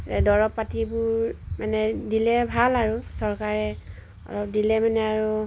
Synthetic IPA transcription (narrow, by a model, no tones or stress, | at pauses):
ɛdɔɹɔpːatibʊɹmanɛdilɛbʱalaɹusɔɹkaɹɛ | ɔ̰lɔp̚dilɛmanɛaɹu